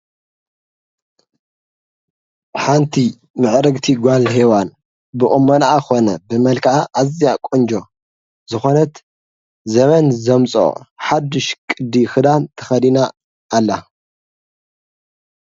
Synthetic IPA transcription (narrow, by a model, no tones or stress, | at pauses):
ħant̪ʰi | mɨʕɾɨɡt̪ʰiɡʷalɦewan | bɨʔʼɨmːonaaxo̞nɐbɨmɐlkʰaʔaʔazjakʼond͡ʒo̞ | zɨxo̞nɐt̪ | zɐmɐnzɐmt͡sʼo̰ħad̪ɨʃkʼɨd̪ixɨd̪ant̪ʰɐ̥xɐd̪inaː | lːa